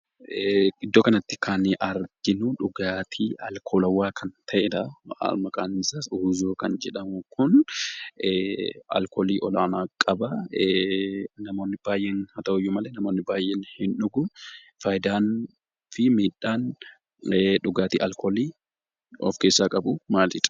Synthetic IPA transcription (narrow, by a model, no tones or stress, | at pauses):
ɪd̪ːoːkɐnɐt̪ːɪ̥kʰɐnʔɐɾɡɪnʊᶑʊɡaːt̪ʰiːʔɐlkʰoːlɐwːaːkʰɐnt̪ʰɐʔɛd̪ɐ̰mɐkʼaːnsasuːzoːkɐnd͡ʒɛᶑɐmʊkʊn | ɐ̰lkoːliːʔɔlaːnaːkʼɐbɐ | nɐmo̞ːnːɪb̥aːjʔeːnhɐt̪ɐʔʊjːʊmɐlenɐmo̞ːnːɪbaːjːeːnhɪnᶑʊɡʊ | fɐjɪd̪aːn | fɪmiːᶑaːn | ᶑʊɡaːt̪ḭːʔɐlkoːliː | ɔ̰fkeːsːaːkʼɐbʊmaːld͡ʒɪᶑ̪ɐ̥